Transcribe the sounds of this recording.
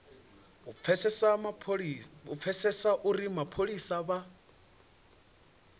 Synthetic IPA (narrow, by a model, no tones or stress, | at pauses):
ɛsɛsa | up̪fʰɛsɛsaʔuɾimapʰoɺisaβa